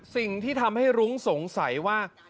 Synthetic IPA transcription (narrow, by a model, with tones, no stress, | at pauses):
si˨˩ŋt̪ʰiː˥˩t̪ʰa˧mha˥˩jɾu˦˥ŋso˩˦ŋsa˩˦jwaː˥˩